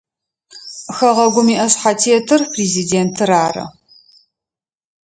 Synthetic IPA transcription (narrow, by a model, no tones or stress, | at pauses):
xɐʁɐɡʷʊmiːʔɐɕħatʰeːtʰɨrpʰriːziːdeːntʰɨɾaːrɐ̰